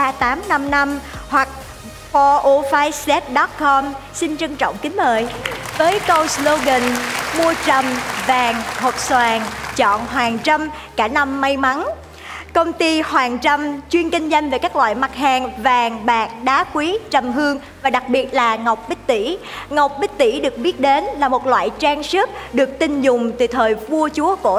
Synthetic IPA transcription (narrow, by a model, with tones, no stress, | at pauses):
aː˧t̪aː˨˦mna˧mna˧mhwa˨˩k̚ | fɔ˧ʔo˧faː˨˦jsɛ˦˥t̚ɗɔ˦˥t̚kʰɔ˧msi˧nt͡ɕə˧ŋt͡ɕɔ̰˧˨wŋ͡mkï˨˦ŋməː˨˩jvəː˨˦jkə˧wslo˧ɣə˧˩nmu˧ət͡ɕə˨˩mvaː˨˩ŋho˨˩t̚swaː˨˩ŋt͡ɕɔ̰˧˨nɦwaː˨˩ŋt͡ɕa˧m | kaː˧˩na˧mːa˧jma˨˦n | kə˧wŋ͡mt̪i˧hwaː˨˩ŋt͡ɕa˧mt͡ɕwi˧ənkï˧ŋ̟zə˧n̟ve˨˩kaː˦˥k̚lwa̰ː˧˨jma˨˩t̚haː˨˩ŋvaː˨˩ŋɓaː˨˩k̚ɗaː˨˦kwi˨˦t͡ɕə˨˩mɦɨ˧əŋ | vaː˨˩ɗa˨˩k̚ɓi˨˩ət̚laː˨˩ŋa˨˩wk͡p̚ɓï˦˥k̟̚t̪i˧˩ŋa˨˩wk͡p̚ɓi˦˥k̚t̪i˧˩ɗɨ˨˩ək̚ɓi˦˥ət̚ɗe˨˦nlaː˨˩mo˨˩t̚lwa̰ː˧˨jt͡ɕaː˧ŋsɨ˦˥k̚ɗɨ˨˩ək̚t̪ï˧ŋ̟zʊ˨˩ŋ͡mt̪ɨ˨˩t̪ʰəː˨˩jvu˧ət͡ɕu˨˦əko˧˩